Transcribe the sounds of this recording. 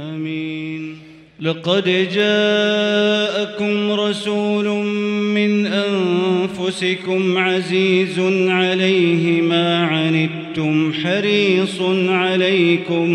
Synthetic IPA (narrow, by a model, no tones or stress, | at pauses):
ʔaːmiːn | lɑqɑd̪d͡ʒaː | ʔakʊmɾˤɑsuːlʊmɪnʔanfʊsɪkʊmʕaziːzʊnʕalajɦɪmaːʕanɪd̪t̪ʊmħɑɾiːsˤnʕalajkʊm